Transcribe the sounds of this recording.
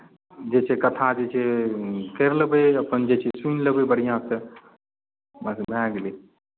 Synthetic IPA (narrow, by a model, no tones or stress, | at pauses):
d͡ʒet͡ʃʰekət̪ʰãd͡ʒet͡ʃʰekeɾləbəjəpənd͡ʒet͡ʃʰesunləbebəɽ̤ijãt̪ə | masbãɡle